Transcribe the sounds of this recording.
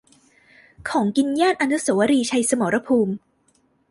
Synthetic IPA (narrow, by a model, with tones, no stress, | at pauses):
kʰɔː˩˦ŋki˧njaː˥˩nʔa˧nu˦˥so˩˦wa˦ɾiː˧t͡ɕʰa˧jsa˧moː˩˦ɾa˧pʰuː˧m